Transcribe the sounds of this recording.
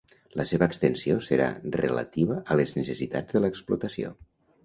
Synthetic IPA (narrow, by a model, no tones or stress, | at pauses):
ləseβəːkst̪ənsiosəɾa̰rə̰lə̰t̪iβ̞əʔələznəsəsit̪a̰d͡zðələːksplut̪əsio̰